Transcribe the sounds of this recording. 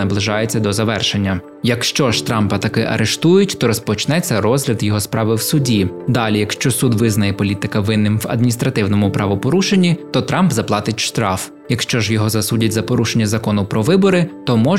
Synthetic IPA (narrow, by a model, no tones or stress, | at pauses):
ɐblˠɪʒɑjet͡sʲːɐd̪ɔzɐʋɛrʃe̞nʲːɐ | jɐkʃt͡ʃɔʒt̪ɾɑmpɐt̪ɐkɪʔɐ̰ɾʔeʃt̪ujʊtʲt̪ɔɾɔspɔt͡ʃnɛt͡sʲːɐɾɔzɦlʲɐd̪jɔɦɔspɾɑʋɪwsʊdʲid̪ɑlʲijɐkʃt͡ʃɔsud̪ʋɪznɐjɛpɔlʲit̪ɪkɐʋɪnːɪmʋɐ̰d̪̚mʲinʲist̪ɾɐt̪ɪwnɔmʊpɾɑʋɔpɔɾuʃenʲːit̪ɔt̪ɾɑmbzɐplˠɑt̪ɪtʲʃt̪ɾɑf | jɐkʃt͡ʃɔʒjɔɦɔzɐsudʲɐtʲzɐpɔɾuʃe̞nʲːɐzɐkɔnʊpɾɔʋɪbɔɾɪt̪ɔmɔ